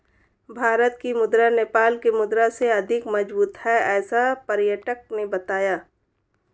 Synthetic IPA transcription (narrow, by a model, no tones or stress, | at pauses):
bʱaːɾət̪̚kimʊd̪ɾaneːpaːlkemʊd̪ɾaseɐd̪ʱɪkmɐd͡ʒbuːt̪ɦɛɛːsapɐɾjəʈək̚nebɐt̪aːjaː